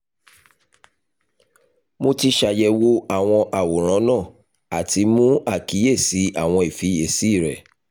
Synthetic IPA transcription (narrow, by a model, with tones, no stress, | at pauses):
mo˧ti˧˦ʃa˧jɛ˧wo˧a˦˨w̃ɔ̃˧ʔa˨wo˨ɾ̃ã˨˦nãː˦˨ | a˨ti˧˦mũ˦a˦˨ki˨˦e˦˨si˨˦a˦˨w̃ɔ̃˧i˨fi˨˦e˦˨si˨˦˨ɾɛ˨